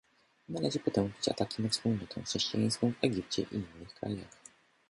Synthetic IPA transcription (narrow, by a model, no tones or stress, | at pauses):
nalɛʐɘpɔt̪ɛ̃w̃pʲi̥t͡ɕa̰t̪akʲinafspulnɔt̪ʰɔ̰̃w̃fʂɛɕt͡ɕijaj̃skɔ̃w̃vɛɡʲip̚t͡ɕɛ̰ʔḭinːɘxkɾa̰ja̰x